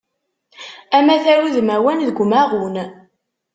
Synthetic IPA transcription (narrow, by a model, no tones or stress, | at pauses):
æmæθæɾuðmæwænðəɡʷmæʁun